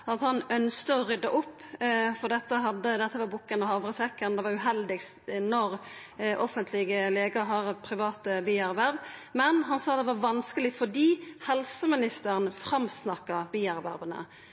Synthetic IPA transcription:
ɑt̪hɑnœnskəɔɾʏd̪ːɑʔʊpːfɔd̪ɛt̪ːəɦɑd̪ːəd̪ɛt̪ːəʋɑɾbʊkːənɑhɑʋʁəsɛkːənd̪ɛʋɑɾʉɦɛld̪ɪɡs | nɔɾ | ʔɔfənt̪ʰlɪɡəleːɡəɾɦɑɾpʰɾɪʋɑːt̪əbiːæɾʋæɾbmɛnɦɑnsɑːd̪ɛʋɑɾʋɑnskəlɪfɔd̪iːhɛlsəmɪnɪst̪əɾənfɾɑmsnɑkːɑbiːæɾʋæ̰ɾbənə̰

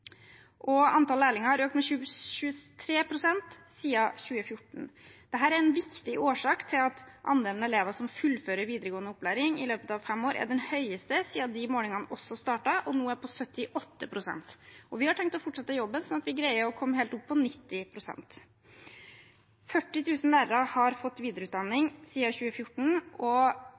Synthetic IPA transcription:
ʔɔɑnt̪ɑlæːlɪŋəhɑɾøːkt̪mɛɕʉɕʉːət̪ʰɾeːpʰɾʊsɛnt̪siːɑɕʉːəfjʊʈɳ̩d̪̥ɛɦæːɾæɾɛnʋɪkt̪ɪʔoːʂɑːkt̪ʰɪlɑt̪ʔɑ̰nd̪eːln̩əɛleːʋəʂɔmfʉlːføːɾəɾʋiːd̪əɾəɡoːənəʊpːlæːɾɪŋɪ̰løːpət̪ɑʋfɛmoːɾʔæ̰ɖɛnhœʏəst̪əsiːɑd̪ɪmoːlɪŋɑnɔsːɔst̪ɑːʈɑʔɔnuːæɾpʰɔsœt̪ːɪʔɔt̪ːəpʰɾʊsɛ̰nt̪ɔʋɪhɑʈʰɛŋk̚t̪ɔfʊʈʂɑt̪ːəjɔbːənsɔnɑt̪ʋɪɡɾæɪəɾɔkʰɔmːheːlt̪ʊpʰːɔnɪt̪ːɪpʰɾʊsɛ̰nt̪ | fœʈːɪt̪ʰʉːsən̩læːɾəɾɑhɑɾfɔt̪ːʋiːd̪əɾəʉːt̪d̪ɑnːɪŋsiːɑçʉːəfjʊʈːɳ̩ʔɔ

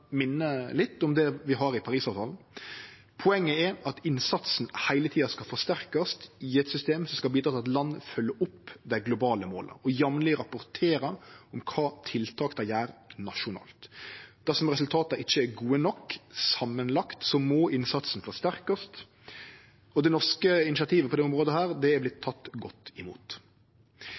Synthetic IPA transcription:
mɪnːəlɪt̪ːɔmd̪ɛʋɪɦɑɾɪpʰɑɾiːsɑːʋt̪ʰɑːln̩ | pʰʊɛŋːəɛɾɑt̪ɪnsɑt̪sn̩hæɪlət̪ʰiːɑskɑlfɔʁʂst̪æɾkɑst̪iːɛt̪sʏst̪eːmsɔmskɑlb̪iːd̪ɾɑːt̪ɑt̪lɑnːfœlːəʔʊpːd̪æɪɡlʊbɑːləmo̰ːlə̰ɔjɑmnlɪɾɑpʊɾt̪ʰeːɾəɔmkʰɑːt̪ʰɪlt̪ʰɑːkd̪ɑjæːɾnɑʂʊnɑ̰ːlt̪d̪æʁsɔmʁɛsʉlt̪ʰɑːt̪ɑɪçːəæɡuːənɔkːsɑmːənlɑkt̪sɔmoːʔɪnsɑt̪snfɔʁʂt̪æʁkɑst̪ | ɔd̪ɛnɔʁskəɪnɪsɑt̪ʰiːʋəpʰɔd̪ɛʊmʁoːd̪əhæːɾd̪ɛæblɪt̪ʰːɑt̪ːɡɔt̪ːɪmṵːt̪

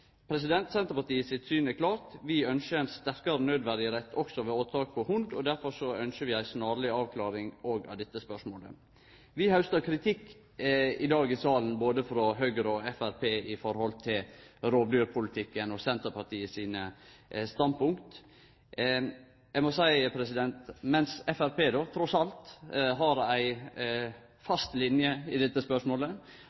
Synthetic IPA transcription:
pʰɾɛs̬ɪd̪ɛnt̪sɛnt̪əɾpɑʈ̪iːəsɪt̪syːnɛkʰlɑːɾt̪ʋɪœnʃəɛnst̪æɾkɑɾnøːd̪ʋæɾɪəɾɛt̪ʰːɔksɔʋɛoːt̪ʰɑːk̚pʰɔhʊnd̪ɔd̪æɾfɔɾsɔœnʃəʋɪæɪsnɑːɾɭɪɑːʋkʰlɑːɾɪŋoːɡɑ̰d̪ɛt̪ːəspœʂmoːlə̰ | ʋɪhɑʉst̪əɾkʰɾɪt̪ʰɪkː | ɪd̪ɑːɡɪsɑːlnboːd̪əfɾɔɦœɡəɾɔɛfæɾpʰeːɪfɔɾhɔlt̪ʰɪlɾoːblyːɾpʰʊlɪt̪ʰɪkːənɔsɛnt̪əpʰɑʈiːəsiːnəst̪ɑnpʊŋkt̪ | jæɪmɔsæɪpʰɾɛs̬ɪd̪ɛnt̪mɛnsɛfæɾpeːd̪oːt̪ʰɾɔsɑlt̪ɦɑɾæɪ | fɑst̪lɪnjəɪd̪ɛt̪ːəspœʂmoːlə

